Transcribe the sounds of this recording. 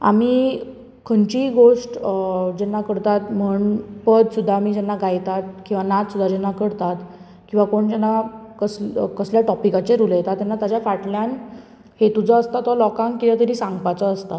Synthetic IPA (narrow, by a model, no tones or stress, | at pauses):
a̰miː | kʰəɳt͡ɕiɡoʂʈd͡ʑɛnːakəɽt̪at̪m̤əɳpəd̪sud̪ʱːamiːd͡ʑɛnːaɡajt̪at̪̚kĩw̃ʋanat̪sud̪ʱːad͡ʑɛnːakəɽt̪at̪ | kĩw̃ʋakoɳd͡ʑɛnːakəskəsljaʈɔpikat͡ɕeɾuljet̪at̪ːɛnːat̪ad͡ʑjafaʈljan | het̪ud͡zʱəəst̪at̪ɔlɔkãŋkkit͡ɕat̪əɾisãŋɡpat͡səəst̪a